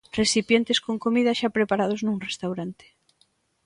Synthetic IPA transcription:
resipjent̪eskoŋkomiðaʃapɾepaɾaðoznuŋrest̪awɾant̪e̥

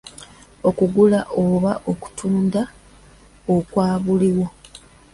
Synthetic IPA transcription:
o̞kuɡulaʔo̞βaʔoku̥tʰuːnda | okwaːβuliwo̞

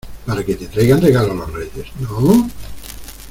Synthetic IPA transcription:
paɾaket̪e̞t̪ɾajɣanreɣalolorreʝesno

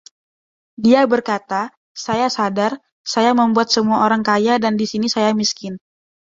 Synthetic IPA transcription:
diabərkat̪a | sajasadar | sajaməmbuat̪̚səmuaoɾaŋkajadandisinisajamiskɪn

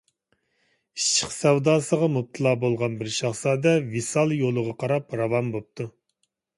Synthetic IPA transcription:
iʃt͡ʃʰːɪ̥qsɛwd̪ɑːsəʁɑmup̚t̪ʰɨlˠɑːbolˠʁɑnbɪɾʃɑχsɑːd̪ɛvisɑlˠjolˠəʁɑqʰɑɾɑpɾɑvɑmbop̚t̪ʰu

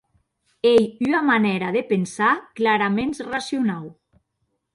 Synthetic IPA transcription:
ejyamaneɾaðepensaklaɾamẽnsrasiunaw

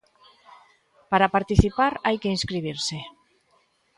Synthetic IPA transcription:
paɾapaɾt̪iθipaɾajkeinskɾiβ̞iɾse

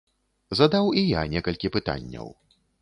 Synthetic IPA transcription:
zɐd̪awijanʲɛkɐlʲkʲipɨt̪a̰nʲːɐ̰w

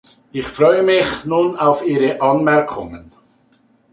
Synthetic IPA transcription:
ʔɪçfʁɔʏəmɪçnuːnaʊfiːʁəʔɑnmɛɐkʰʊŋən

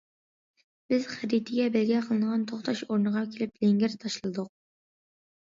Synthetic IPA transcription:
b̥ɪz̥χæɾit̪ʰɪɡʲɛbɪlɡʲɛqʰəlˠɨnəʁɑnt̪ʰoχt̪ʰɑʃoɾnəʁɑkʲʰelɪplɪŋɡʲɪɾt̪ʰɑʃlˠɨd̪ʊq̚

